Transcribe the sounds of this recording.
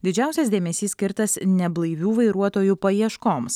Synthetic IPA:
d̪ʲɪd͡ʒʲæˑʊsʲɛsd̪ʲeːmʲɛsʲiːsʲkʲɪɾt̪ɐsnʲɛblˠɐɪʋʲuːʋɐɪɾuɔt̪oːjupɐiɛʃkoːms

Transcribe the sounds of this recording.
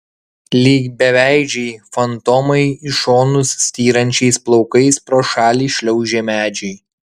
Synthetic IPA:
lʲiːɡbʲɛʋʲæˑɪd͡ʒʲɛɪfɐnt̪ɔmɐɪɪʃoːnʊsːʲt̪ʲiːɾɐnʲt͡ʃʲɛɪsplˠɒʊkɐɪspɾoːʃɑːlʲiːʃʲlʲɛʊʒʲeːmʲæːd͡ʒʲɛɪ

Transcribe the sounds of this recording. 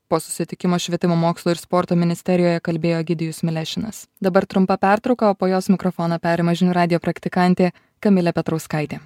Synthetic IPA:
poːsʊ̥sʲɪt̪ʲɪkʲɪmoːʃʲʋʲiɛt̪ʲɪmoːmoːkslˠuːɪɾspɔːɾt̪oːmʲɪnʲɪsʲt̪ʲɛɾʲɪjoːjɛkɐlʲbʲeːjoːɡʲɪd̪ʲɪjʊsmʲɪlʲæʃʲɪnɐ̰sd̪ɐbɐɾt̪ɾʊmpɐpʲæˑɾt̪ɾɒʊkɐoːpoːjoːsmʲɪkɾɔfoːnɐːpʲɛɾʲmɐʒʲɪnʲuɾɑːd̪ʲɪjoːpɾɐkt̪ʲɪkɑˑnʲt̪ʲeː | kɐmʲɪlʲɛpʲɛt̪ɾɐʊskɐɪt̪ʲeː

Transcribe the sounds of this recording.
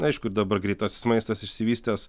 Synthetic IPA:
ɐɪʃkʊɾd̪ɐbɐɾɡɾʲɛɪt̪ɑːsʲɪ̥smɐɪst̪ɐsɪʃʲsʲɪʋʲiːsʲt̪ʲeːs

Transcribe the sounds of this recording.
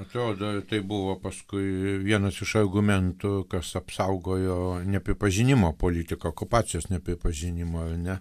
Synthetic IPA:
ɐt̪ɾoːd̪oːt̪ɐɪbʊʋoːpɐskʊɪʋʲiɛnɐsɪʃɐrɡʊmʲɛnt̪ʊkɐsɐpsɐʊɡoːjoːnʲɛpʲɾʲɪpɐʒʲɪnʲɪmoːpoːlʲiːt̪ʲɪkɐokʊpɑːt͡sʲjoːsnʲɛpʲɾʲɪpɐʒʲɪnʲɪmoːɐrnʲɛ

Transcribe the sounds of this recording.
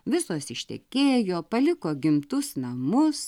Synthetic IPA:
ʋʲɪsuɔsɪʃʲt̪ʲɛ̰kʲeːjoːpɐlʲɪkoːɡʲɪmt̪ʊsnɐmʊs

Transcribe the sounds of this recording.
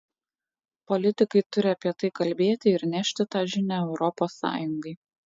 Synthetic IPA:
pɔlʲɪt̪ʲɪkɐɪt̪ʊɾʲɪɐpʲiɛt̪ɐɪkɐlʲbʲeːt̪ʲɪɪɾnʲæʃʲt̪ʲɪt̪ɑːʒʲɪnʲæɛʊɾɔpoːsːɑ̰ːjʊŋɡɐɪ

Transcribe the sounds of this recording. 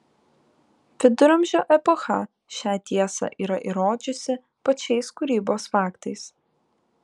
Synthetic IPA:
fʲɪd̪ʊɾɐmʲʒʲoːʔɛpoxɐ | ʃʲæːt̪ʲiɛsɐ̰ʔiːɾɐʔiɾoːd͡ʒʲʊsʲɪ | pɐt͡ʃʲɛɪskʊɾʲiːboːsfɑːkt̪ɐɪs

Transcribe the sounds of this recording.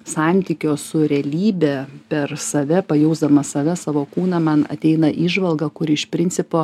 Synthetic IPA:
sɑnʲt̪ʲiːkʲoːsʊɾʲɛlʲiːbʲɛpʲɛrsɐʋʲɛpɐjɛʊzd̪ɐmɐsɐʋʲɛsɑːʋoːkuːnɐmɐnɐ̰t̪ʲɛɪnɐʔiːʒʋɐlˠɡɐkʊɾɪʃpʲɾʲɪnʲt͡s̪sʲɪpoː

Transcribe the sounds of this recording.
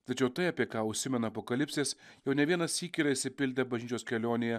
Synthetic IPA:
t̪ɐt͡ʃʲɛʊt̪ɐɪɑpʲiɛkɑːʊʃʲsʲɪmʲɛnɐːpoːkɐlʲɪpʲsʲeːsjɛʊnʲɛʋʲiɛnɐsʲiːkʲiɾɐɪʃʲsʲɪpʲɪlʲd̪ʲɛbɐʒʲnʲiːt͡ʃoːskʲɛlʲoːnʲɪjɛ

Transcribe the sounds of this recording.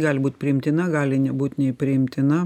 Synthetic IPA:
ɡɑːlʲbuːt̪ʲpʲɾʲɪɪmʲt̪ʲɪnɐɡɑːlʲɪnʲɛbuːt̪ʲnʲɛɪpʲɾʲɪɪmʲt̪ʲɪnɐ

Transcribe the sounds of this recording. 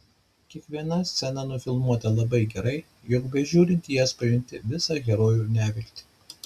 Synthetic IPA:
kʲiɛkʋʲiɛnɐsʲt̪sʲɛnɐnʊfʲɪlˠmuɔt̪ɐlˠɐbɐɪɡʲɛɾɐɪ | jɔkbʲɛʒʲuːɾʲɪnʲt̪ʲjɛspɐjɪnʲt̪ʲɪʋʲɪsɑɡʲɛɾoːjuːnʲæːʋʲɪlʲkʲt̪ʲɪ̥

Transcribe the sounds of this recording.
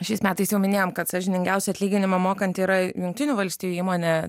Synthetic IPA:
ʃʲɛɪsmʲæːt̪ɐɪsjɛʊmʲɪnʲeːjoːmkɐt̪sɑʒʲɪnʲɪŋɡʲɛʊsʲɛɐt̪ʲlʲiːɡʲɪnʲɪmɐmoːkɐnʲt̪ʲiːɾɐjʊŋk̚t̪ʲɪnʲuːʋɐlʲsʲt̪ʲiːjuiːmoːnʲe

